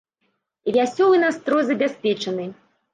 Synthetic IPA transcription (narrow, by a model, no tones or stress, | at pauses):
vʲasʲɔlˠɨnast̪ɾɔjzɐbʲasʲpʲɛt͡ʂɐnɨ